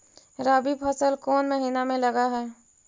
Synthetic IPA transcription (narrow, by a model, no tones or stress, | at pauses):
ɾaːbipʰəsəlkɔːnməɦiːnamẽlɐɡaɦɛː